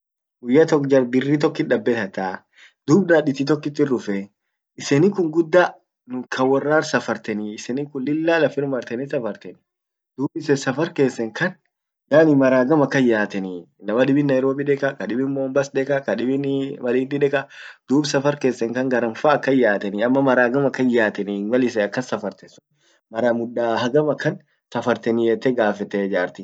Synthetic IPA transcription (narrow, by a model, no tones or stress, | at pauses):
ɡʊjːɐt̪ɔkd͡ʒɐɾb̪ɪrːit̪ɔkːɪᶑɐbːɛt̪ɐt̪a | d̪̥uːbnaːᶑɪt̪ːɪt̪̬ɔkːɪt̪ːɪrʊfɛ | ɪsenɪkʊŋɡʊd̪ːa | nʊkʰɐwːɐrːaːɾsɐfɐɾt̪ɛnɪːsɛnɪkʊnlɪlːaːlɐfɪɾmɐɾt̪ɛnɪsɐfɐɾt̪ɛn | d̪̥uːbɪsɛsɐfɐɾke̞ːsːɛŋkɐn | ɡaːnɪmɐɾaːɡɐmɐkːɐjːaːt̪ɛni | nɐmɐᶑɪbɪnːɐjɾo̞ːbiᶑɛkʼɐkɐᶑɪbɪmmoːmbɐsd̪ɛkʼɐkɐᶑɪbɪnmɐliːd̪ɪᶑɛkʼɐd̪̥uːbsɐfɐɾke̞ːsːɛŋkɐŋɡɐɾɐnfaːɐkːɐjːaːt̪ɛnɪɐmːɐmɐɾaːɡɐmɐkːɐnjaːt̪ɛniɡɐlɪsɛɐkːɐnsɐfɐɾt̪ɛsʊn | mɐɾamʊdːaːhɐɡɐmɐkːɐn | sɐfɐɾt̪ɛnɪɛt̪ːɛɡaːfɛt̪ɛd͡ʒaːɾt̪ɪ